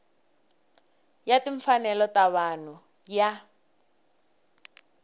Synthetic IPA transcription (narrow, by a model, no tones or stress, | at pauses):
jatiɱfanɛlɔtaβan̤u | ja